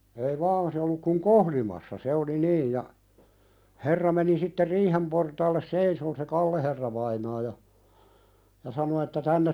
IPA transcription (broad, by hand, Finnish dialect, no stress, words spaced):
ei ʋɑːn se olːuk kuŋ kohlimɑsːɑ se oli niːj jɑ herːɑ meni sitːe riːhem portɑːlːes seisoːn se kɑlːeherːɑʋɑinɑː jɑ jɑ sɑno etːæ tænːet